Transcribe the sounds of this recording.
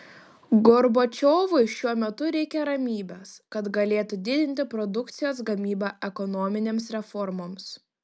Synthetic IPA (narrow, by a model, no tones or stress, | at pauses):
ɡɔɾbot͡ʃʲoːʋʊɪʃʲuɔmʲɛt̪ʊɾʲɛɪkʲɛɾɐmʲiːbʲɛskɐt̪ɡɐlʲeːt̪ud̪ʲɪd̪ʲɪnʲt̪ʲɪpɾɔd̪ʊkt̪sʲɪjoːsɡɐmʲiːbɑːʔɛkɔnoːmʲɪnʲeːmsɾʲɛfɔɾmoːms